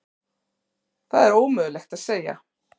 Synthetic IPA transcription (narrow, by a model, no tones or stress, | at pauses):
θaðɛɾoːwmʏːɣʏlɛxt̪aðseːja̰